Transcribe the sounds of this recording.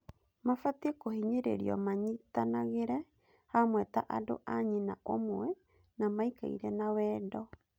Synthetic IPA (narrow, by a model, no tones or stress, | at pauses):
mafatɛkohiɲeɾḛɾḭɔmaɲitanaɣeɾɛ | hamwɛta̰ʔado̰ʔaɲinaʔomwɛ | namaika̰ḭɾɛnawɛːdɔ